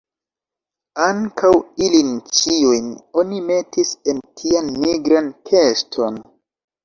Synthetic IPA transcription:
aŋkʰawilint͡ʃiujno̞nime̞tise̞ntʰianːiɡɾankʰe̞stʰo̞n

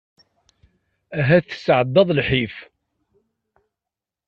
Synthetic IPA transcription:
æɦæθə̥sʕəd̪ːɑðˤlħif

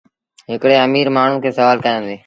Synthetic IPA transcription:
ɦɪkɽeːəmiːɾmaːɳ̤ʊ̃kʰeːsəʋaːlkəjãːnd̪eː

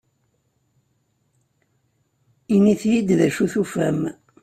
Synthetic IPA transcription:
iniθjid̪ðæʃuθufæm

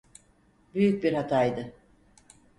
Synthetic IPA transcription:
byjyc̚biɾhat̪ʰaːjd̪ɯ

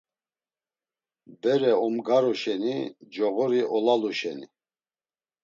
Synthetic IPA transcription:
bɛɾɛɔmɡaɾɔʃɛnid͡ʒɔɣɔɾiʔɔlaluʃɛni

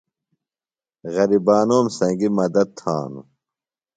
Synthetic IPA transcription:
ɣɐɾibaːnoːmsɐ̃ŋɡimɐd̪ɐd̪̚t̪ʰa̰ːnṵ

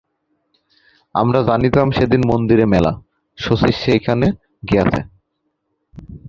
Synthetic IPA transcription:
a̰mɾad͡ʑanit̪amʃed̪inmond̪iɾemɛla̰ | ʃosiʃekʰane | ɡeat͡ɕʰḛ

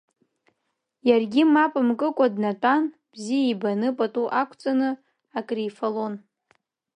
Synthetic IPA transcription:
jarɡʲimapʼɨmkʼɨkʷʼadnatʷʼan | b̥zijaibanɨpʼatʼuʔakʷʰt͡sʼanɨ | akʼrijfalon

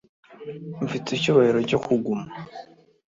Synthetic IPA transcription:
ɱfit͡sicuβaiɾoco̞kʰuɡuma

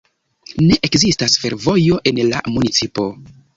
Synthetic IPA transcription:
ne̞ʔekzistasfe̞ɾvo̞jo̞ʔe̞nla̰munit͡sipo̞

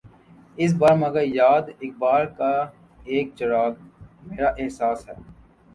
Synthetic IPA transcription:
ɪs̬baːɾmɐɡəɾjaːd̪ɪk̚baːɾka | eːk̚t͡ʃəɾaːɡmeːɾaʔɪɦsaːsɦɛː

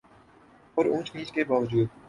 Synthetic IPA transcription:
ɔːɾũːt͡ʃkĩːt͡ʃkebaːʋəd͡ʒuːd̪̚

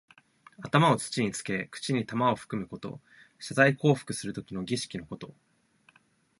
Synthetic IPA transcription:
at̪amao̞t͡sɨ̥t͡ɕiɲ̟it͡sɨ̥ke̞kɯ̥t͡ɕiɲ̟it̪amao̞ɸɯ̟̥kɯ̟mɯ̟ko̞t̪o̞̰ | ɕazaiko̞ːɸɯ̥kɯ̟sɨɾɯ̟t̪o̞kʲino̞ɡʲiɕi̥kʲino̞ko̞t̪o̞

